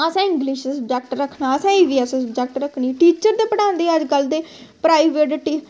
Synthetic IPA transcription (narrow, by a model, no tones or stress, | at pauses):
əsɛ̃ːɪ̃ŋɡliːʃsəbd͡ʒɛːk̚ʈɾəkʰnaːəsãːiːʋiːəsə̃səbd͡ʒɛk̚ʈɾəkʰñiːʈiːt͡ʃəɾd̪eːpəɽãːnd̪eːəd͡ʒɡəld̪eːpɾaːiʋeʈʈi